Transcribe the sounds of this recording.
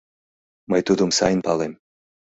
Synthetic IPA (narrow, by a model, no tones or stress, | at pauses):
majt̪ud̪umsajnpalˠem